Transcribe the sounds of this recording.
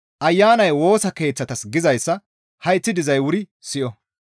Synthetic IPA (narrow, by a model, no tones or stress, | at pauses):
ʔɐjːaːnɐjwo̞ːsɐke̞ːt͡sːɐt̪ɐsɡɪzɐjsːɐ | hɐjt͡sːɪd̪ɪzɐjwʊɾɪ | sɪʔɔ